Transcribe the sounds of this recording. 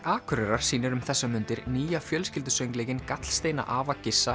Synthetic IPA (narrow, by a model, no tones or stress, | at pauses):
aːkʰʏɾɛɾaɾ̥siːnʏɾʏmθɛsːamʏnt̪ɪɾniːjafjœlscɪlt̪ʏsœɥŋklɛːcɪnkat̪l̥st̪eːjna̰ʔaːvacɪsːa